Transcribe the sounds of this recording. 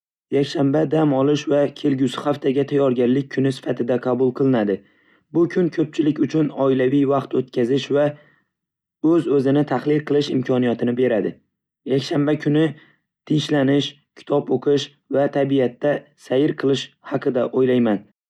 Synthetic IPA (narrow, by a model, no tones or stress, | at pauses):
jakʲʃambad̪amɒlˠɪʃvakʲʰe̞lɡʲʊsɪ̥haft̪ʰaɡʲat̪ʰajɒɾɡʲanlɪk̚ʲʰːʊnɪsɪ̥fat̪ʰɪd̪aqʰɑbʊlˠqʰɨlˠɪnad̪ɪ | bʊkʰʊnkʰɵp̚t͡ʃʰɪlɪkʲʊt͡ʃʰʊnɒɪlavɪjvɑqt̪ot̪kʲʰazɪʃva | ɵzɵzɪnɪt̪ʰaχlɪlqʰɨlˠɪʃɪmkʰɒnijat̪ʰɪnɪbe̞ɾad̪ɪ | jakʲʃambakʲʰʊnɪ | t̪ʰɪŋʃlanɪʃ | kʲʰɪ̥t̪ʰɒpoqʰɨʃ | vat̪ʰabijat̪ːasajɪɾqʰɨlˠɪʃhɑqʰɨd̪aʔojlajman